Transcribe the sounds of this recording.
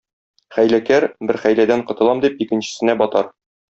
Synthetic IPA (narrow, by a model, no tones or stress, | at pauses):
χæjlækæɾbɘɾχæjlæd̪æɴqɤ̆t̪ɤ̆lˠɑmd̪ip̚ikɘ̆nɕɘ̆sɘ̆næbɒt̪ɑɾ